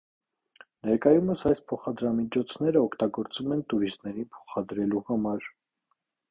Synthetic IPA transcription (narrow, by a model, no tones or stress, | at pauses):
nɛɾkɑjuməsɑjspʰɔχɑd̪ɾɑmit͡ʃʰɔt͡sʰn̪ɛɾəɔkʰt̪ɑɡɔɾt͡svumɛnt̪uɾist̪nɛɾinpʰɔ̥χɑd̪ɾɛluhɑmɑɾ